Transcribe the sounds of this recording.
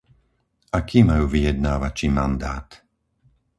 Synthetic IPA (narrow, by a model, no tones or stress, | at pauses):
ʔakiːmajuːʋijɛd̪̚naːʋat͡ʃimand̪aːt̪